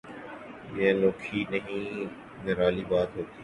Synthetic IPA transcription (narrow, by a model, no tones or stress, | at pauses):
jẽloːkʰiːnəɦĩː | nəɾaːliːbaːt̪ɦoːt̪iː